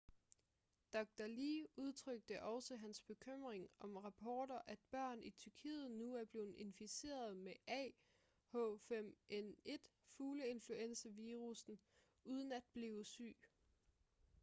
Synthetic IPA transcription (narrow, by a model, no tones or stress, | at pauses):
d̥ɒɡ̥̚d̥æliuð̞ˠt͡sʰʁœɡ̥̚d̥əʔɒ̽səɦænsb̥e̝kʰøm̰ʁeŋɒ̽mʁɑ̈pʰɒːɾɐʔæd̥b̥ɶɐ̰nit͡sʰyɐkʰḭːð̩ˠnuæɐb̥le̝ːð̩ˠe̝nfise̝̰ːɐðˠmeʔɛ̰ː | hɔ̰fem̰ʔene̝d̥ | fuːləe̝nfluen̰sɐʋiːʁusn̩ | uːð̞ˠən̩æd̥̚b̥leʊsy̰ː